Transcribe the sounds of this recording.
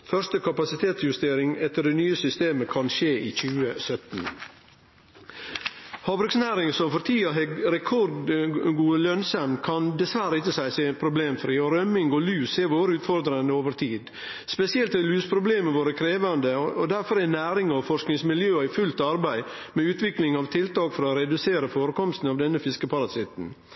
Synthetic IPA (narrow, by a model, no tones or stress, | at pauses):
fœɾst̪əkʰɑpɑsɪt̪ʰeːt̪sjʉst̪eːɾɪŋɛt̪ːəɖɛnyːəsʏst̪eːməkʰɑnʃeːʔiːc͡çʉːəsœt̪n | hɑːbɾʉksnæːɾɪŋsɔmfɔɾt̪ʰiːɑɦɛɾɛkʰɔɾd̪ɡuːəlœnsɑmkʰɑnd̪ɛsʋæɾəɪtːəsæɪseːpʰɾʊbleːmfɾiːɔɾœmɪŋɡɔlʉːsɛɾʋoːɾəʉːt̪fɔɾd̪ɾɑnd̪əoːʋəɾt̪ʰiːd̪ | spɛsɪɛlt̪ɛɾlʉːspʰɾʊbleːməʋoːɾəkʰɾeːʋɑnd̪əɔd̪æɾfɔɾɛnæːɾɪŋɔfɔʂknɪŋsmɪljøːæɪfʉlt̪ɑɾbæɪmɛʉːt̪ʋɪklɪŋɑʋt̪ʰɪlt̪ɑːkfɔɾɑoːɾɛd̪ʉseːɾəfoːɾəkɔmst̪n̩ɑʋd̪ɛnːəfɪskəpʰɑɾɑsɪt̪n̩